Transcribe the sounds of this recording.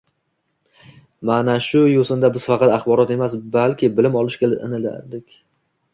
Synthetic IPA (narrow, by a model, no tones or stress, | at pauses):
manaʃʊjosɪnd̪abɪz̥fɑqʰɑt̪aχbɒɾɒt̪e̞mas̬balkʲɪbɪlɪmɒlˠɪʃkʲelɪnɪla̰ɾd̪ɪkʲ